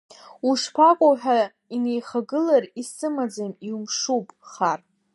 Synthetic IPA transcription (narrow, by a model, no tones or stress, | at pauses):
uʂpʰakʷʼoħᶣa | inejχaɡɨlarisɨmad͡zamiumʂupʼχar